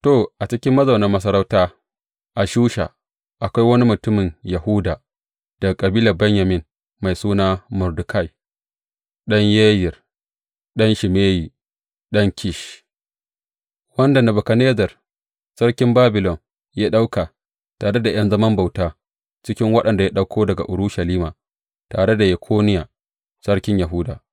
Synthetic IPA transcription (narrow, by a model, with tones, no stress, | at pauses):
to˨ʔa˨t͡ʃɪ˦kʲɪ˦mːɐ˦za˨wnɐ˨mɐ˦s̬ɐ˦ɾa˦wtaː˦ | ʔa˨ʃuː˦ʃa̰˨ | ʔa˨kʷa˦jwɐ˦ni˦mʊ˨tʊ˦mɪ˨njɐ˨hu˦daː˨ | d̥a˨kʼɐ˨biː˦lɐ˨bɛ˦ɲja˨mɪ˦n | ma˨jsuː˦naː˦mʊ˨ɾdʊ˨kʰa˦˨j | ɗɐ˦ɲjeː˦jɪ˨r | ɗɐ˦nʃɪ˨meː˦jiː˨ | ɗɐ˦ŋkʲʰɪ˦˨ʃ | wɐ˦nda˨nɐ˨bʊ˨ka˨neː˦zɐ˨r | sɐ˦ɾkʲɪ˦mbaː˦bɪ˨lɔ˨n | jaː˦ɗa˦wka˨ | taː˨ɽe˦da˨j̰ɐ˦nzɐ˦mɐ˦mba˨wtaː˦ | t͡ʃɪ˦kʲɪ˦ŋwɐ˦ɗɐ˨nda˨ja˦ɗa˦wkʰoː˦dɐ˨ɡa̰˨ʔʊ˨ɾʊ˦ʃɐ˨liː˦maː˨ | taː˨ɽe˦da˨jɛ˨kʷʰoː˦nɪ˦ja˨ | sɐ˦ɽkʲɪ˦ɲjɐ˨ɦu˦daː˨